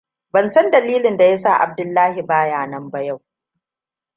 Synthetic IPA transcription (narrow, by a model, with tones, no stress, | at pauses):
bɐ˨nsɐ˦ndɐ˨liː˦lɪ˨nda˨ja˦saː˦˨ʔa̰˨b̚dʊ˦lːaː˦hi˨baː˦jaː˨nɐ˦mbɐ˦ja˦˨w